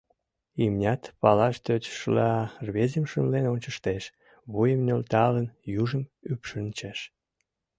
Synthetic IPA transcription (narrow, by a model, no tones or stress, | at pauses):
imnʲɑt̪pɑlɑʃt̪øt͡ɕʃlɑrβezemʃunlenonʲt͡ɕəʃt̪eʃ | βujəmnʲølt̪ɑlənjuʒəmypʃənt͡ɕeʃ